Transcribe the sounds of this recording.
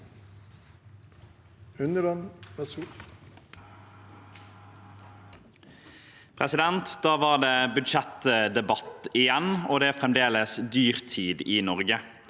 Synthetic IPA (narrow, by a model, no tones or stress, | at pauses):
ʉnd̪əɾɑnʋɛsuː | pʰʁɛsɪd̪ɛnt̪d̪ɑːʋɑːʁd̪eːbʉd̪ʃɛt̪əd̪ɛbɑt̪ɪjɛnoːd̪ɛːæːfʁɛmd̪eːləsd̪yːʁt̪ʰiːd̪iːnɔʁɡə